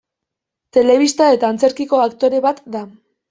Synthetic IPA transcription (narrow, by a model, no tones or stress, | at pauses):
t̪e̞le̞βist̪ae̞t̪aːnt͡se̞ɾkiko̞akt̪o̞ɾe̞βat̪d̪a